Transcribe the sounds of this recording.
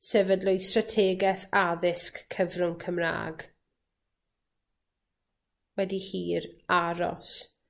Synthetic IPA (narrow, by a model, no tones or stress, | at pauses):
sɛvədlɔjstratʰeːɡɛθaðɪskʰːəvrʊŋkʰəmra̰ːɡ | wɛdihiːraɾɔ̰s